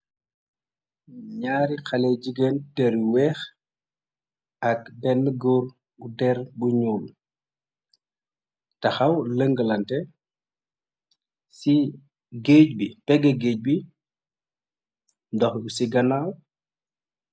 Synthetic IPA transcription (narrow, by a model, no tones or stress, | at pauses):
ɲaːɾixɐlɛd͡ʒiɡɛntɛɾwɛːx | ɐk̚bɛnːəɡɔr | budɛrbuɲuːl | tɐxɐwləŋɡəlɐntɛ | si | ɡeːc̚bipɛɡɛɡeːc̚bi | ndɔxusiɡɐnaw